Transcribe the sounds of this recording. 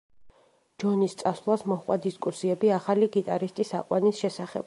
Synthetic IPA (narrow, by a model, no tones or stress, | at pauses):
d͡ʒɔnist̪sʼaslˠasmɔhqʼwad̪iskʼusiɛbiaχaliɡit̪ʼaɾist̪ʼisa̰qʼwanisʃɛsaχɛ̰b̥